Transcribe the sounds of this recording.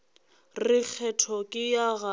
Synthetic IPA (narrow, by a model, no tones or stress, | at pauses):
rɪk͡xʰɛtʰɔkʼɪjaɣa